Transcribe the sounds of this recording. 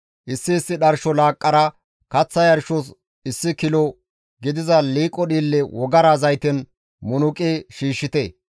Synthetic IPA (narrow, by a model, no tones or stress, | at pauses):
ʔɪsːɪːsːɪɗɐɾʃɔlaːkʼːɐɾɐ | kɐt͡sːɐjɐɾʃɔs | ɪsːɪkɪlɔ | ɡɪd̪ɪzɐliːkʼːɔɗiːlːɛwɔɡɐɾaːzɐjt̪ɛn | mʊnʊkʼeʃiːʃːɪt̪e